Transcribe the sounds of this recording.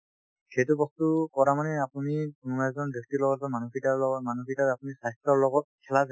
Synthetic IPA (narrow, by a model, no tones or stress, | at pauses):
xejtubɔstukɔɹamanɛapunikunumajzɔndikʰtilɔɡɔɔmanukʰitalɔmanukʰitaapunisajstɔɹlɔɡɔt̚kʰɛlaz